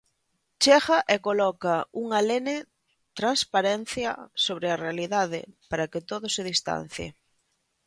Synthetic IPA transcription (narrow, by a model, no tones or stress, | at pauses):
t͡ʃɛɣɐʔekolɔkɐuŋalene | t̪ɾanspaɾen̟θjɐ̰soβɾearealiðaðɪ̰paɾɐkɪt̪oðʊseð̞ist̪a̰n̟θjḛ